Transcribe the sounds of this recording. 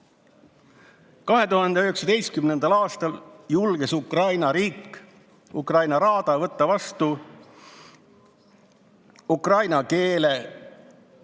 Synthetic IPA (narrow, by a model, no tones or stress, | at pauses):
kɑɦe̞t̪uɦɑnd̪eøhe̞ksɑd̪e̞jst̪kymne̞nd̪ɑlɑːst̪ɑljulɡ̥esukrɑjnɑɾiːkː | ukrɑjnɑɾɑːd̪̥ɑvɤt̪ːɑvɑst̪u | ukrɑjnɑke̞ːle̞